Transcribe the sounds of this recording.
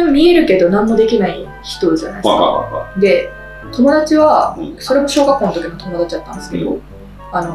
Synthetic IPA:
emomʲie̞ɾɯ̟ke̞d̪o̞nãmːo̞d̪e̞kʲinai | çi̥t̪o̞ʑa̰na̰ikd̪e̞ | t̪o̞mo̞d̪at͡ɕiβaso̞ɾe̞mo̞ɕo̞ːɡakːoːnt̪okʲinot̪o̞mo̞d̪at͡ɕid̪at̪ːã̰nd̪esɨ̥ke̞d̪o̞̰ | ano̞

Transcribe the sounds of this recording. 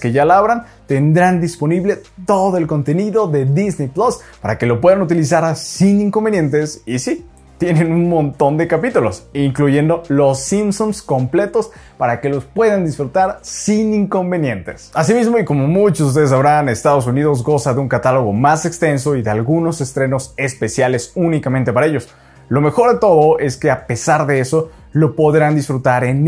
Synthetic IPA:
ke̞ʝalaβɾan | t̪e̞nd̪ɾand̪isponiβle̞t̪o̞ðo̞elko̞nt̪e̞niðo̞ðe̞ðiznejplospaɾa̰ke̞lo̞p̬we̞ðanut̪ilis̬aɾsiniŋko̞mbe̞nje̞nt̪e̞sisi | t̪je̞ne̞nunmõ̞nt̪o̞nd̪e̞kapit̪ulo̞siŋkluʝe̞nd̪o̞lo̞simsumsko̞mple̞t̪o̞spaɾake̞lo̞spwe̞ðand̪isfɾut̪aɾsiniŋko̞mbe̞nje̞nt̪e̞̰sas̬imizmo̞iko̞mo̞mut͡ʃosust̪e̞ð̞es̬aβɾanest̪aðo̞s̬uniðo̞zɣo̞saðeuŋkat̪alo̞ɣ̞o̞mase̞kst̪e̞ns̬o̞iðealɣuno̞se̞st̪ɾe̞no̞se̞spe̞sjale̞sunikamẽnt̪epaɾae̞ʝo̞s | lo̞me̞xo̞ɾðe̞t̪o̞ð̞oe̞ske̞ape̞saɾðe̞e̞so | lo̞po̞ðɾand̪isfɾut̪aɾen

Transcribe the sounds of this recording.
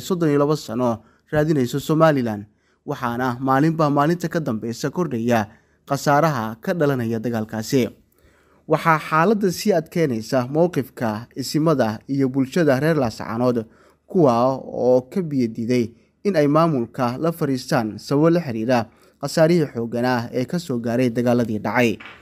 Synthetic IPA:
sɔd̪ɔnijlɐβɐsɐnɔ | raːðɪnɛjsɔsɔmaːlɪlaːnd̪ | wɑħɑːnɐmaːlɪmbaːmaːlɪnt̪ʰɐkʰɐd̪ɐmbɛjsɐkʰɔrɖɛjɐ | qɑsaːɾɐɦɐkʰɐɖɐlɐnɐjɐd̪ɐɣaːlkʰaːsɪ | wɑħɑːħɑːlɐd̪ːɐsiːɐd̪kʰɛjnɛjsɐmɔwqɪfkʰɐɪsɪmɐðɐijɔbʊlʃɐðɐrɛːrlaːsʕɑ̰nɔːd̪ | kʰʊwaːɔːkʰɐbɪjɐd̪iðɛj | ɪnɛjmaːmʊlkʰɐlɐfɐɾiːst̪ʰaːnsɐβɔlɐħɪɾiːɾɐ | qɑsaːɾɪɦiːħɔːɣɐnaɛːkʰɐsɔːɡaːɾɛjd̪ɐɣaːlɐðiːɖɑʕɑj

